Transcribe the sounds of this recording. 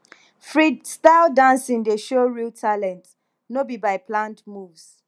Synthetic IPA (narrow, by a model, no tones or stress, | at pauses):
fɹidstaɪldãnsĩndeʃoɹiltʰalɛ̃nt | nobibaɪpʰlãndmuvs